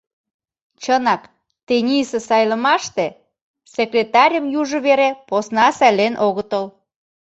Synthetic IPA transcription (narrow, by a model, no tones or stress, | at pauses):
t͡ɕənɑk | t̪enʲisəsɑjlə̆mɑʃt̪e | sekrʲet̪ɑɾʲəmjuʒə̆βeɾeposnɑsælenʔoɣət̪əl